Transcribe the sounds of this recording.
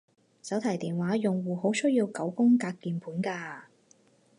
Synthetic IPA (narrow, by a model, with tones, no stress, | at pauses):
sɐ˨˥wt̪ʰɐ˨˩jt̪iː˨nwaː˨˥jʊ˨ŋwuː˨ho˨˥wsɵ˥ɥjiː˧wkɐ˨˥wkʊ˥ŋkaː˧kːiː˨˩npʰuː˨˥nkaː˧